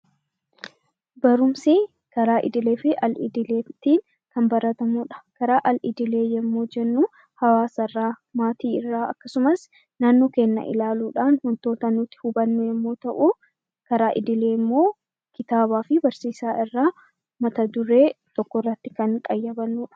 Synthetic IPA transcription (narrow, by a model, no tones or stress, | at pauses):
bɐɾʊmsɪ | kɐɾaːʔɪ̰d̪ɪle̞ːfɪʔɐlɪd̪ɪleːt̪ːiːn | kɐmbɐɾɐt̪ɐmuːᶑɐ̥kɐɾaːʔɐlɪd̪ɪle̞ːjɛmːoːd͡ʒɛnːuː | hɐwaːsɐrːaːmaːt̪iːɪrːaːɐ̰kːɐsʊmɐs | naːnːo̞ːke̞ːnːɐ̰ʔɪ̰laːluːᶑaːnhɔnt̪o̞ːt̪ɐnʊt̪ːɪ̥hʊbɐnːʊjɛmːo̞ːt̪ɐʔuː | kɐɾaːʔɪd̪ɪle̞ːɪmːo̞ː | kɪt̪aːbaːfɪbɐɾsiːsaːɪrːaː | mɐt̪ɐd̪ʊɾe̞ːt̪ɔkːɔrːɐt̪ːɪ̥kɐŋkʼɐjːɐbɐnːuːᶑɐ̥